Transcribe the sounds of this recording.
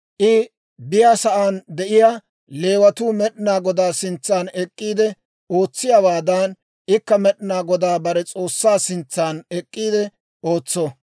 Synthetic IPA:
ʔɪ | bɪjaːsɐʔaːnd̪ɛʔɪjaː | le̞ːwɐt̪uːmɛɗɪnaːɡɔd̪aːsɪnt͡sːaːnɛkʼːiːd̪ɛ | o̞ːt͡sːɪjawaːd̪an | ʔɪkːɐmɛɗɪnaːɡɔd̪aːbɐɾɛt͡sʼo̞ːsːaːsɪnt͡sːaːnɛkʼːiːd̪ɛ | oːt͡sːɔ

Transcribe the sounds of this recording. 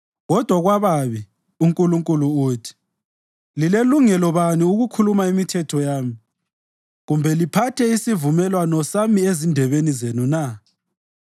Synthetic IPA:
ɣɔd̥ʱwaɣwaβaβi | uŋkʼuluŋkʼuluuːtʰi̥ | lileluŋɛlɔβaniuɣukʰulumaimitʰɛtʰɔjaːmi | ɣumbʱɛlipʰatʰɛisivumɛlwanɔsamiezindʱɛβenizenuna

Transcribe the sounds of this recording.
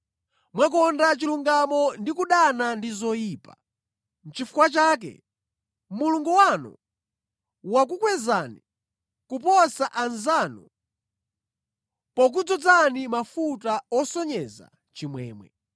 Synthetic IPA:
mwak̬ɔndat͡ʃiluŋɡamɔndikuɗanandizɔjiːpa | n̩t͡ʃifukwat͡ʃaːk̬ɛ̰ | muluŋɡuwanɔ̰ | wak̬ukwɛzani | kupɔsaʔanzaːnɔ | pɔk̬ud͡zɔd͡zanimafutaɔsɔɲɛza̰ | t͡ʃimwɛ̰ːmwɛ̰

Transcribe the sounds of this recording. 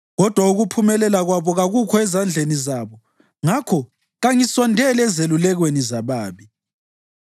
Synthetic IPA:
ɣɔd̥ʱwauɣupʰumɛlɛlaɣwaβɔɣaɣukʰɔɛzand͡ɮʱenizaːβɔ | ŋakʰɔ | ɣaŋiswɔndʱɛlɛzelulɛɣwenizaβaːβi

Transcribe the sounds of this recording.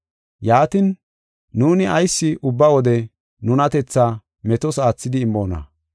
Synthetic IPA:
jaːt̪ɪnː | uːnɪɐjsːɪʔʊbːɐwɔd̪ɛ | nʊnɐt̪ɛt͡sːaː | mɛt̪ɔsaːt͡sːɪd̪ɪːmːo̞ːnɐ̰

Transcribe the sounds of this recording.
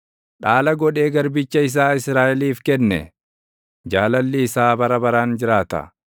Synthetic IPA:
ᶑaːlɐɡɔᶑe̞ːɡɐɾbɪt͡ʃːɐɪs̬aːɪsɾaːʔɛliːfkɛnːɛ̰ | d͡ʒaːlɐlːɪːsaːbɐɾɐbɐɾaːnd͡ʒɪɾaːt̪ɐ̰

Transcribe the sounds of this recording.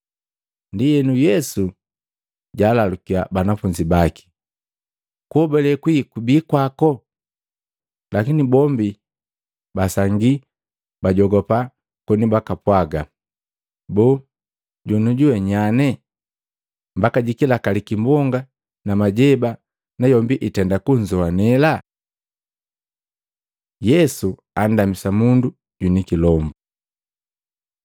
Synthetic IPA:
ndijɛnujɛsu | ɟaːlalukia̰banafuɲd͡ʒibaki̥ | kuhɔbɛlɛkwikubiːkwakɔ | lakinibɔmbi | basaŋɡi | baɟɔɡɔpa | kɔnibakapwaɡa | bɔː | ɟɔnuɟuwɛɲanɛ | mbakaɟikilakalikimbɔŋɡa | namaɟɛba | najɔmbiʔitɛndakuɲd͡ʒɔanɛla | jɛsu | an̩damisamundu | ɟunikilɔmbu

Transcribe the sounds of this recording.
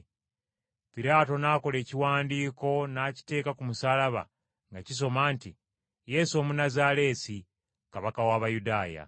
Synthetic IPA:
piɾaːto̞naːko̞le̞ːciwaːndiːko̞naːci̥te̞ːkakumusalaβa̰ | ŋɡacis̬o̞maːnti | je̞ːsomunazaːle̞ːsi | kaβakawaːβajudaːja̰

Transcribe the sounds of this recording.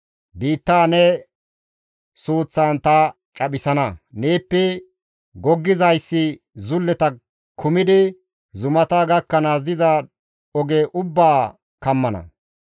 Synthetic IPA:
biːt̪ːaːnɛ | suːt͡sːaːnt̪ɐ | t͡ʃʼɐɓɪsɐnɐneːpːɛ | ɡɔɡːɪzɐjsːɪ | zʊlːɛt̪ɐ | kʰʊmɪd̪ɪ | zʊmɐt̪aːɡɐkːɐnaːzɪzɐ | ɔɡeʔʊbːaː | kɐmːɐnɐ̰

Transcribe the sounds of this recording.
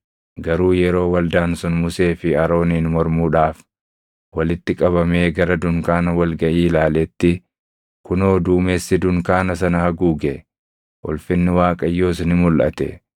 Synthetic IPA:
ɡɐɾuːjɛɾo̞ːwɐld̪aːnsʊnmʊse̞ːfɪɐɾo̞ːniːnmɔɾmuːᶑaːf | wɐlɪt̪ːɪkʼɐβɐme̞ːɡɐɾɐd̪ʊŋkaːnɐwɐlɡɐʔiːlaːlɛt̪ːɪ | kʊnoːd̪uːmeːsːɪd̪ʊŋkaːnɐsɐnɐhɐɡuːɡɛ | wɔ̰lfɪnːɪwaːkʼɐjːo̞ːsnɪmʊlʔɐ̰t̪ɛ̰

